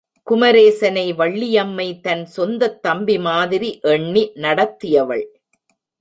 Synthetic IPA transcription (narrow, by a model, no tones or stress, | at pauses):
kʊmɐɾeːsɐnɐɪʋɐɭːɪjɐmːɐɪt̪ɐnsɔnd̪ɐt̪ːɐmbimaːðɪɾiʔɛɳːinɐɽɐt̪ːɪjɐʋɐ̰ɭ